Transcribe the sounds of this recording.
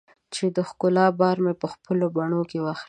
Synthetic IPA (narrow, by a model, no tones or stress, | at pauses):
t͡ʃed̪əxkʊlɑbɑɾmepəxpəlobaɳ̃okewɑxl